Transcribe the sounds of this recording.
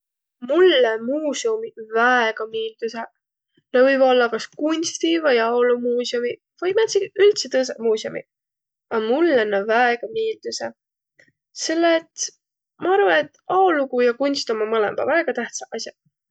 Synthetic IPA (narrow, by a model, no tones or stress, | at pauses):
mulːemuːseumivæeɡ̥ɑmiːld̪̥use | nɑvɯjvo̞lːɑkɑskunʲst̪ivɑjɑolumuːsiomi | v̥ɑjmæt̪siɡylt̪set̪ɤs̬emuːsiomḭ | ɑmulːenːɑvæeɡ̥ɑmiːld̪̥use | se̞lːet̪ | mɑɑɾvɑnet̪ːɑolukujɑkunʲst̪omɑmɤlḛmb̥ɑ̰væeɡ̥ɑt̪æht̪sɑʔɑsʲjɑ